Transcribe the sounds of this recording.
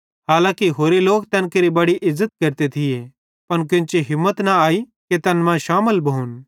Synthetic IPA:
ɦaːlãːkiɦoːɾeloːkt̪ɛːnkɐɾibɐɽiʔɪzːət̪̚kɐɾt̪et̪ʰɪje | pɐnk̬ʊ̃nt͡ʃeɦɪmːət̪naaːi | ket̪ɛnmãʃaːməlbɐɦʊn

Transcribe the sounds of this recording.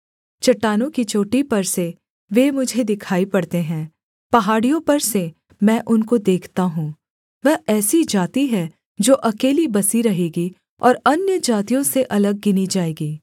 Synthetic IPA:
t͡ʃɐʈːaːnõkit͡ʃoːʈipɐɾse | ʋeːmʊd͡ʒʱed̪ɪkʰaːipɐɽt̪eɦɛ̃ː | pɐɦaːɽijõpɐɾse | mɛ̃ːʔʊnkod̪eːkʰt̪aɦũː | ʋɛɦɛːsid͡ʒaːt̪iɦɛ | d͡ʒoːʔɐkeːlibɐsiɾɐɦeːɡi | ɔːɾɐnjəd͡ʒaːt̪ijõseʔɐləɡ̚ːɪnid͡ʒaːeːɡiː

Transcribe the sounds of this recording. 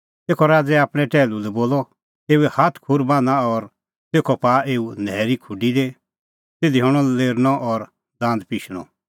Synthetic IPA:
t̪eːkʰɔɾaːd͡zɛaːpɽ̃ɛ̃ʈɛːlulɛboːlɔ | t̪eːuɛhaːt̪ʰkʰuɾbãːnaɔɾ | t̪eːkʰɔpaːeːunɛːɾikʰʊɖid̪e | t̪eːd̪iɦɔɽ̃ɔ̃leːɾñɔʔɔɾ | d̪ãːnd̪piːʃɽ̃ɔ̰̃

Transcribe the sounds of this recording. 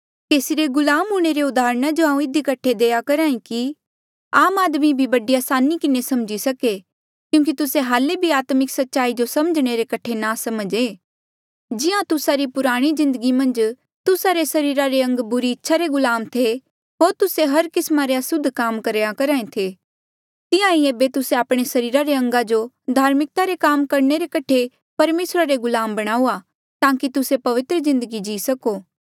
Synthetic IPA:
k̪eːsiɾeɡʊlaːmɦuːɽ̃eɾeʊd̪aːɾɽ̃ad͡ʒoaːũɪd̪ikɐʈʰːed̪eːakɐɾaːĩki | aːmaːd̪mibʱibɐɖiaːsaːnikɪnesɐmd͡ʒisɐke | kjũːŋk̬it̪ʊseɦaːlebʱiaːt̪mɪksɐtːʃaːid͡ʒosɐməd͡ʒɽ̃eɾekɐʈʰenasɐməd͡ʒe | d͡ʒɪjãt̪ʊsaɾipʊɾaːɽ̃izɪ̃nd̪əɡimɐ̃nd͡ʒ | t̪ʊsaɾesɐɾiːɾaɾeɐ̃ŋɡbʊɾiɪtːʃʰaɾeɡʊlaːmt̪ʰe | ɦoːɾt̪ʊseɦɐɾkɪsmaɾeɐsʊd̪ʱːkaːmkɐɾeːjakɐɾaːẽt̪ʰe | t̪ɪjãieːbet̪ʊseaːpɽ̃esɐɾiːɾaɾeɐ̃ŋɡad͡ʒo | d̪ʱaːɾmɪk̚t̪aɾekaːmkɐɾɳ̃eɾekɐʈʰe | pɐɾmeːsɾaɾeɡʊlaːmbɐɽ̃aːuːa | t̪ãːkit̪ʊsepɐʋɪt̪ɾəzɪ̃nd̪əɡid͡ʒiːsɐkoː

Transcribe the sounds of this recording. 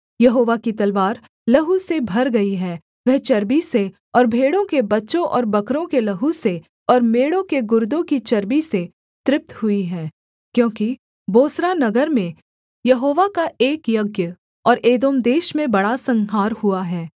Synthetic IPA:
jɐɦoːʋakit̪ɐlʋaːɾ | lɐɦusebʱɐɾɡɐiɦɛː | ʋɛɦt͡ʃɐɾbise | ɔːɾbʱeːɽõkebɐtːʃõʔɔːɾbɐkɾõkelɐɦuse | ɔːɾmeːɽõkeɡʊɾd̪õkit͡ʃɐɾbise | t̪ɾɪp̚t̪hʊiɦɛː | kjõːki | boːsɾanɐɡəɾmẽ | jɐɦoːʋakaeːkjɐɡjə | ɔːɾʔeːd̪oːmd̪eːʃmẽbɐɽasɐ̃ŋɦaːɾhuaɦɛː

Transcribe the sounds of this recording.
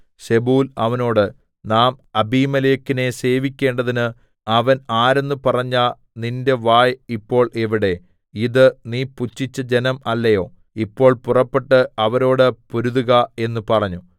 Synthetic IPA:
ɕe̞buːlɐʋɐno̞ːɽɨ | naːmɐbiːmɐlejekːine̞se̞ːʋikʲːe̞ːɳɖɐðinɨ | ɐʋɐnaːɾe̞nːɨpɐrɐɲːaː | ninde̞ʋaːjipːo̞ːɭʔeʋiɽe̞ | iðɨniːput͡ɕːit͡ɕːɐd͡ʑenɐmɐlːɐjo̞ː | ipːo̞ːɭpurɐpːe̞ʈːɨɐʋɐɾo̞ːɽɨpoɾuðuɣɐe̞nːupɐrɐɲːu

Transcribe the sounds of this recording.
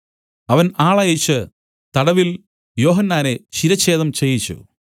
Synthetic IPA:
ɐʋɐnaːɭaːjit͡ɕːɨ | t̪ɐɽɐʋil | jo̞ːɦɐnːaːne̞t͡ɕiɾɐt͡ɕːe̞ːðɐmt͡ɕejːit͡ɕːṵ

